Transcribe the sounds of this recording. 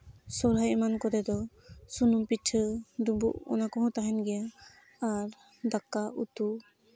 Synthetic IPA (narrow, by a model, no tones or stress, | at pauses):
sɔɾɦajɛmankɔd̪ɛd̪ɔ | sunumpiʈʰəd̪ubṵʔɔ̰nakɔɦɔ̃t̪aɦɛnɡɛjaː | ɾ | d̪akaʔut̪u